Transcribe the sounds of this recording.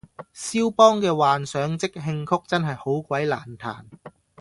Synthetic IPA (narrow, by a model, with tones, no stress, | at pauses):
siː˥wpɔː˥ŋkɛː˧waː˨nsœː˨˥ŋt͡sɪ˥k̚ɦɪ˧ŋkʰʊ˥k̚t͡sɐ˥nɦɐ˨jho˨˥wkʷɐ˨˥jla̰ː˨˩nt̪ʰa̰ː˨˩n